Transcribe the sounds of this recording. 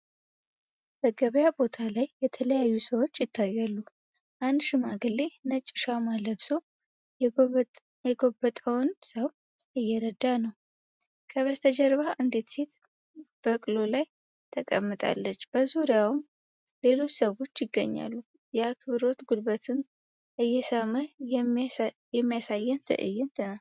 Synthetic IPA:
bəɡəβəjabo̞t̪ʰalajːɛt̪ʰələjajːusəwo̞t͡ʃːjɪt̪ʰːajːalːu | ʔand̪ʃɪmaɡɨlːe̞nət͡ʃʼːɪ̥ʃamaləβso̞ | jɛɡobət̪ʼəwnsəw | ɨjːɛɾəd̪anəw | kʰəβəst̪ʰəd͡ʒɛɾβaʔɨnd̪e̞t̪se̞t̪ | b̥əkʼɨlo̞laj | t̪ʰəkʼə̰mːɨt̪ʼa̰lːət͡ʃːb̥əzuɾijawɨm | le̞lo̞t͡ʃːsəwo̞t͡ʃːjɪɡːə̰ɲːa̰lːu | jɛakʰbɨɾo̞t̪ɡud̪bət̪ʰɨm | ʔɨjːɛsəmə | jɛmːijasajːɛnt̪ʰə̰ʔɨ̰jːɛnt̪ʰənal

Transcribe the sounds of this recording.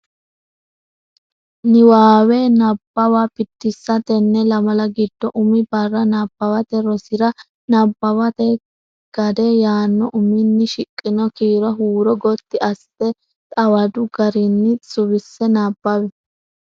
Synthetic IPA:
nɪwaːwɛnɐbːɐwapɪt̪ːɪsːɐt̪ɛnːɛlɐmɐlɐɡɪd̪̥ːɔʔʊmɪbɐrːɐnɐb̥ːɐwɐt̪ɛɾɔsɪɾɐ | nɐbːɐwɐt̪ɛ | ɡ̥ɐd̪ɛjaːnːɔʔʊmɪnːɪʃɪkʼːɪnɔkiːɾɐɦuːɾɔɡɔt̪ːɪɐsːɛ | t̪ʼɐwɐd̪ʊɡɐɾɪnːɪsʼʊβɪsːɛnabːɐwɛ

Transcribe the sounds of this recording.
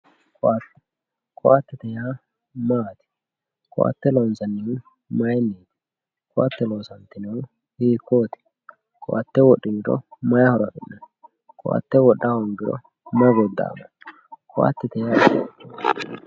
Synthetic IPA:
kat̪ː | kʰɔwat̪ːɛt̪ɛjaː | maːt̪ɪ̥ | kɔ̰wa̰t̪ːɛlonsɐnːɪ | mɐjnːeːt̪ɪ̥ | kɔwa̰t̪ːɛloːsɐnt̪ːɪnɛwʊ | hiːkːoːt̪ɪ̥ | kɔʔa̰t̪ːɛwɔɗːɪnɪɾɔ̰mɐjɐhɔɾɐɗʊnːɛn | kʰɔ̰wa̰t̪ːɛwɔɗːaɔŋɡɪɾɔ̰ | mɐɡɔd̪ːa̰ːmɐ | kʰɔwa̰t̪ːɛt̪ɛjaɛt͡ʃː

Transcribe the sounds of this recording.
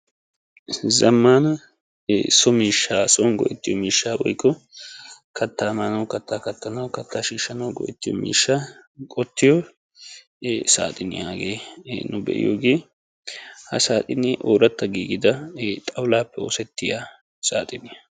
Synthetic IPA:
zɐmːaːnɐ | sɔmiːʃːaːsɔːnɡɔ̰ʔɛt̪ːɪjɔmiːʃːaːwɔ̰jkʼːɔ | kʰɐt̪ːaːmaːnɐwkɐt̪ːaːkɐt̪ːɐnɐwkɐt̪ːaːʃiːʃːɐnɐwɡɔ̰ʔɛt̪ːɪjɔ̰mḭːʃːaːkʼɔt̪ːɪjɔ | sa̰ːt̪ʼɪnɪ̰jaːɡeːnʊbɛ̰ʔɪ̰jo̰ːɡe̞ː | hɐ̰saːt̪ʼɪnːɪʔoːɾɐt̪ːɐɡiːɡɪd̪ɐt̪ʼɐwlaːpːɛo̰ːsɛt̪ːɪja | sa̰ːt̪ʼɪnɪɐ

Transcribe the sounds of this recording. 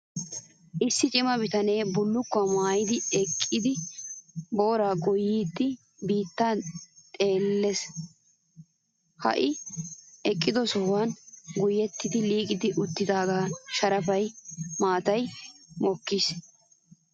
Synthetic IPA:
ʔɪsːɪt͡ʃʼɪmɐbɪt̪ɐne̞ːbʊlːʊkːʊɐmaːjɪd̪ɪɛkʼːɪd̪ɪ | bo̞ːɾaːɡʊjiːd̪ːɪ | biːt̪ːat̪ʼe̞ːlːɛs | hɐ̰ʔɪ | ɛkʼːɪd̪ɔsɔhwɐnɡʊjɛt̪ːɪd̪ɪliːkʼɪd̪ɪʔʊt̪ːɪd̪aːɡaːʃɐɾɐfɐjmaːt̪ɐjmɔkːis

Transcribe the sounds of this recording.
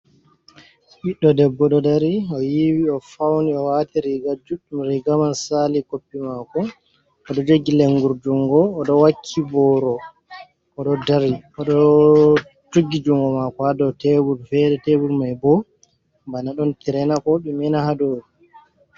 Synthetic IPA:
ɓiɗːɔdɛbːɔɗɔdaɾiɔjiwiɔfawniɔwatiɾiɡad͡ʒuɗumɾiɡamansalikopːimakɔ | ɔɗɔd͡ʒoɡːileŋɡuɾd͡ʒuŋɡɔːɗɔwakʰːibɔɾɔ | ɔɗɔdaɾiɔɗɔ | tuɡːid͡ʒuŋɡɔmakɔadɔtebulfɛdɛtebulmajbɔ | mbanaɗɔntɛɾɛnakɔɓɛmɛnahadoːdu

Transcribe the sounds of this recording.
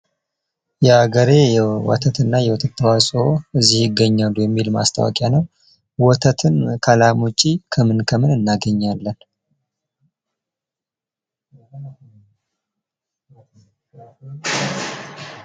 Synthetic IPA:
jɛaɡəɾe̞jɛwɔ̰t̪ʰət̪ɨnːajɛwɔt̪ʰət̪ʰːəwasʼoʔɨzːihjɪɡːəɲːalujɛmːilma̰st̪ʰa̰wa̰kʼjanəw | wɔt̪ʰət̪ʰɨnkʰəlamot͡ʃʼikʰəmɨnkʰəmɨnɨnːaɡəɲːalːən

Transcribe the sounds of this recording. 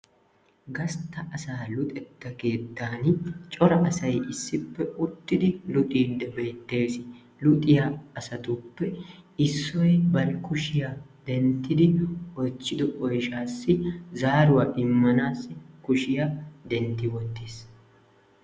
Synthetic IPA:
ɡɐst̪ːɐʔɐsaːlʊt̪ʼɛt̪ːɐke̞ːd̪ːaːnt͡ʃʼɔɾɐʔɐsɐjʔɪsːɪpːɛʔʊt̪ːɪd̪ɪlʊt̪ʼiːd̪ːɐbeːt̪ːeːsɪ | lʊt̪ʼɪjaɐsɐt̪ʊpːɛɪsːɔjɛbɐɾɪkʊʃɪjaːd̪ɛnt̪ːɪd̪ɪwɔt͡ʃːɪd̪ɔʔɔjʃaːsːɪzaːɾʊwaːʔɪmːɐnaːsːɪkʊʃɪjad̪ɛnt̪ːɪwɔt̪ːeːs

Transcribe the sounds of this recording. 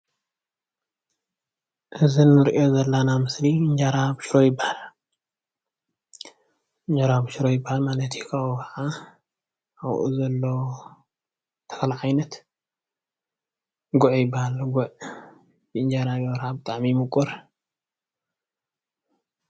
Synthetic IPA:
ʔɨzinːɨɾʔio̞zɐlːanamɨsliɨɲd͡ʒaɾabɨʃɾojɪbːahal | ɨɲd͡ʒaɾabɨʃɾojɪbːahalmalɐt̪ʰikʰaukʰɐʕa | awʔṵzɐlːo | t̪ʰɐ̥kʰɐlʕajnɐt̪ | ɡʊʕjɪbːahalɡuʕ | bɨɨɲd͡ʒaɾaβwɾabɨt̪ʼaʕmimɨkʼʊɾ

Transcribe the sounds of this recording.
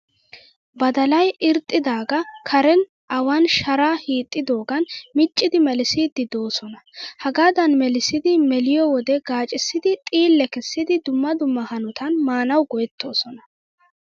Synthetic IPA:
bɐd̪ɐlɐjɪɾt̪ʼːɪd̪aːɡɐkʰɐɾɛn | ʔɐwɐnʃɐɾaːhiːt̪ʼːɪd̪o̞ːɡɐnmɪt͡ʃʼːɪd̪ɪmɛlɪsiːd̪ːɪd̪o̞ːsɔnɐhɐɡaːd̪ɐnmɛlɪsɪd̪ɪmɛlɪjɔwɔd̪ɛɡaːt͡ʃʼɪsːɪd̪ɪt̪ʼiːlːɛkɛsːɪd̪ɪd̪ʊmːɐd̪ʊmːɐhɐnʊt̪ɐnmaːnɐwɡɔjɛt̪ːo̞ːsɔnɐ

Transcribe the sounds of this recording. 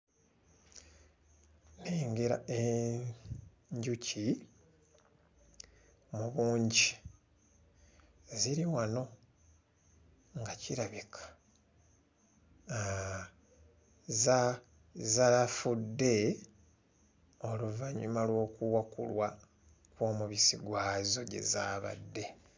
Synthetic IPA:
neːŋɡeɾa̰ʔe | ɲɟucʰi | muβuːɲɟi | ziɾiwano̞ | ŋɡaciɾaβikʰḁ | za | zalafudːe̞ | o̞luvaɲumalwo̞ːkuwakṵlwa | kwo̞ːmuβisiɡwaːzo̞ɟe̞̰za̰ːβa̰dːe̞

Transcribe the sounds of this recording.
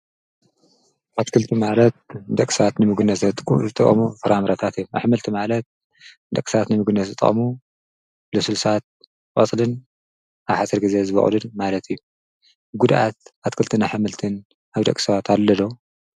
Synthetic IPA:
ʔat̪kʰɨlt̪ʰimalɐt̪̚d̪ɐkʼːi̥sɐβat̪nɨmɨɡɨnːɐtɐt̪zɨt̪ʼɨʔʼmufɐɾamɾat̪ʰat̪ijːuaħmɨlt̪ʰimalɐt̪̚ | d̪ɐkʼi̥sɐβat̪nɨmɨɡɨnːɐt̪zɨt̪ʼɨ̰ʔʼmu | lɐsulsat̪̚ | qʼot͡sʼlɨn | aβħat͡sʼɐɾɡɨze̞zɨβɐ̰χʼlɨnmalɐt̪ʰijːu | ɡud̪ʔat̪at̪kʰɨlt̪ʰɨnaħɨmɨlt̪ʰɨn | aβd̪ɐ̰kʼi̥sɐβat̪ʰalːɐd̪o

